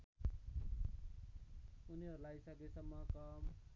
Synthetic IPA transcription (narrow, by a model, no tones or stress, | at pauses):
uniɦʌɾulajsʌkisʌmːʌkʌm